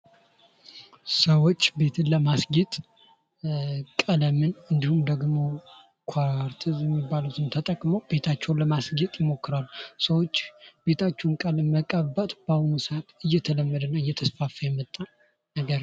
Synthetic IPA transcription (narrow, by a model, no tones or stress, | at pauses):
səwot͡ʃːbe̞t̪ʰɨnləmasɡɛt̪ʼ | kʼələmɨnɨnd̪ihumd̪əɡmo̞ | kʰwaɾt̪ʰɨzjɛmːibːalut̪ʰɨnt̪ʰət̪ʼəkʼməwb̥e̞t̪ʰat͡ʃːɛwnləmasɡɛt̪ʼjɪmo̞kːɨɾalːusəwot͡ʃːbe̞t̪ʰat͡ʃːɛnkʼalɨməkʼəbət̪ʼb̥ahunusət̪ɨjːɛt̪ʰələmːəd̪ənːəɨjːɛt̪ʰəsfafəjɛmːət̪ʼːan | nəɡəɾ